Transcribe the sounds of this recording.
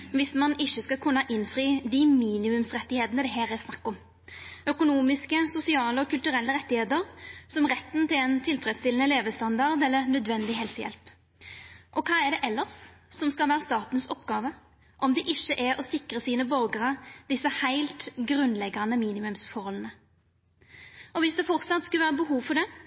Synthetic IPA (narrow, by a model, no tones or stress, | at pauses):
ʋɪsmɑnɪçːəskɑkʰʉnːɑʔɪnfɾiːd̪ɪmiːnɪmʉmsɾɛt̪ːɪheːt̪nəd̪ɛɦæːɾɛsnɑkːɔm | œkʊnuːmɪskəsʊsɪɑːləɔkʰʉlt̪ʉɾɛlːəɾɛt̪ːɪheːt̪əɾsɔmʁɛt̪ːn̩t̪ɪlɛnt̪ʰɪlfɾɛd̪st̪ɪlənəleːʋəst̪ɑnd̪ɑʁd̪ɛlːənœd̪ʋɛnd̪ɪɦɛlsəjɛ̰lp | ʔɔkʰɑːɛɖɛʔɛlːəʁssɔmskɑlʋæːʁəst̪ɑːt̪n̩sɔpɡɑːʋə | ʔɔmd̪ɛʔɪçːəʔɛɔsɪkʁəsiːnəbœʁɡɾɑd̪ɪsːəhæɪlt̪ɡɾʉnlɛɡːɑnəmiːnɪmʉmsfɔɾhɔlənə | ʔɔʋɪsd̪ɛfɔʁt̪sɑt̪skʉlʋæːɾəbəhuːʋfɔɾɖ̪ɛ